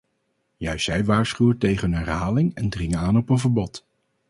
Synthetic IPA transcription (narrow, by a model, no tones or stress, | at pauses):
jœɥstɛjʋaːɹsχywətejχəənɛɹɦaːlɪŋɛndrɪŋaːnɔpənvəɹbɔt